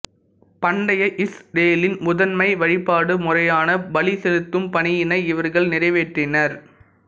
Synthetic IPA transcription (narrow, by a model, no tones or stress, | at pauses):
pɐɳɖɐjɐʔɪsɖeːlɪnmʊðɐnmɐɪʋɐɻɪpːaːɽɯmʊrɐjaːnɐbɐɭisɛlɯt̪ːɯmpɐɳɪjɪnɐɪɪʋɐɾɣɐɭnɪrɐɪʋeːʈrɪnɐɾ